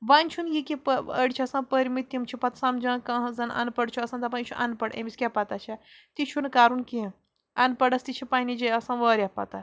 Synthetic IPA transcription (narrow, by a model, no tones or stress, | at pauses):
ʋanʲt͡ʃʰunjikipəə̰ɽt͡ʃʰiɐsãpəɾʲmit̪ːjimt͡ʃʰipɐt̪sãmd͡ʒãːkɐ̃ɦd͡zɐnɐ̰npɐɽt͡ʃʰuɐsãnt̪ɐpant͡ʃʰuʔɐ̰npɐɽɐ̰mʲisʲkʲapɐt̪at͡ʃʰa | t̪it͡ʃʰunkaɾunki | ɐnpɐɽɐst̪it͡ʃʰipaːnid͡ʒeɐsãnʋəɾʲapɐ̰t̪a